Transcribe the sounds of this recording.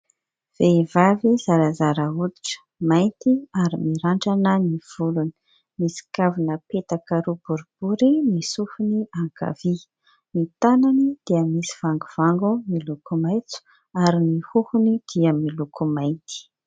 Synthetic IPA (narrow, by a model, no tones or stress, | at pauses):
v̥evavizaɾazaɾəud̪i̥ʈ͡ʂə̥ | majnt̪iaɾimiɾaɳʈ͡ʂanəniv̥uluni̥ | misi̥kavunəpet̪akəɾub̥uɾub̥uɾimisufuniaŋka̰vi | mit̪ananid̪̥iəmisi̥v̥aŋɡuv̥aŋɡumilukumajt͡su̥ | aɾimihuhunid̪̥iəmilukumajnt̪i̥